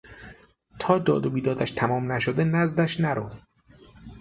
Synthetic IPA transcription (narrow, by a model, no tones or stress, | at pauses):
t̪ʰɒːd̪ɒːd̪obiːd̪ɒːd̪æʃt̪ʰæmɒːmnæʃod̪enæzd̪æʃnæɾo